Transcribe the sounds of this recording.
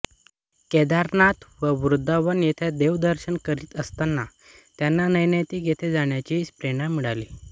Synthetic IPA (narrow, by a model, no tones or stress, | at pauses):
kɛd̪aɾnat̪ʋəʋɾud̪ʱːaʋənet̪ʰed̪eʋd̪əɾɕəɳkəɾiːt̪əst̪anːa | t̪janːanəjnəjt̪iːɡʱet̪ʰed͡zaɳjat͡ɕispɾeɽ̃amiɽaliː